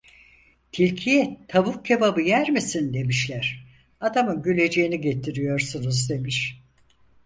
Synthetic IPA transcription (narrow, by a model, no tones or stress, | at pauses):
t̪ʰilʲcʰijɛt̪ʰaβukcʰebabɯjæɾmisind̪e̞miʃlʲæɾ̥ | ad̪amɯnɟylʲe̞d͡ʒejiniɟe̞t̪ʰiɾijo̞ɾsunuzd̪e̞miʃ